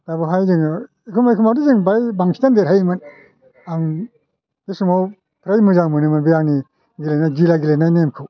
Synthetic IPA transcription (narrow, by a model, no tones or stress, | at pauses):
tabɯɦajzɯŋɯ | ikʰumikʰumawdizɯŋbajbaŋkʰitandeɾhajmɯn | aŋ | desumaw | pʰɾajmuzaŋmɯnɯmɯnbijaŋni | ɡilejnajɡilaɡilejnajnemkʰɯw